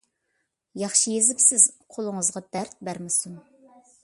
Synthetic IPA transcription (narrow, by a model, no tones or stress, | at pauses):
jɑχʃijezɪpsɪz̥qʰolˠəŋəzʁɑd̪̥æɾt̪̚bæɾmɪsun